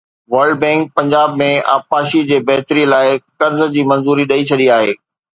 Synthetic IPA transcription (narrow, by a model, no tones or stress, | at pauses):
ʋɐɾɖbɛ̃ːŋk̚pɐ̃ɲd͡ʑaːbmẽa̰ːpaːʃid͡ʑeːbɐɦt̪ɾĩlaːɪkɐɾzd͡ʑiːmɐ̃nzuːɾiɗɐit͡ɕʰɐɗiaːɦḛː